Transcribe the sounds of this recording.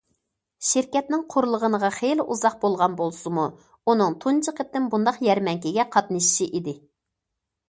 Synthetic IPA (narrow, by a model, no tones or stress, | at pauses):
ʃɪɾkʲɛt̪nɪŋqʰʊɾlˠəʁənəʁɑχejlɪʔuzɑq̚bolˠʁɑnbolˠsɨmu | unɨŋt̪ʰunt͡ʃʰəqəp̪̚ːɪnbund̪ɑqjɛɾmɛŋkʲiɡʲɛqʰɑt̪nɨʃi̥ʃiʔid̪ɪ